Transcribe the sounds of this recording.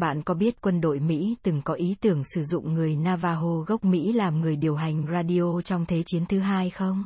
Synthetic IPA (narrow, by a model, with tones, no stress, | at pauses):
ɓa̰ː˧˨nkɔ˨˦ɓi˦˥ət̚kwə˧nɗo̰˧˨jmḭ˧˥t̪ɨ˨˩ŋkɔ˨˦ʔi˨˦t̪ɨ˧˩əŋsɨ˧˩zʊ̰˧˨ŋ͡mŋɨ˨˩əjnaː˧vaː˧ɦo˧ɣə˦˥wk͡p̚mḭ˧˥laː˨˩mŋɨ˨˩əjɗi˨˩əwɦa˨˩jŋ̟zaː˧ɗi˧ʔo˧t͡ɕɔ˧wŋ͡mt̪ʰe˨˦t͡ɕi˨˦ənt̪ʰɨ˨˦ɦaː˧jxə˧wŋ͡m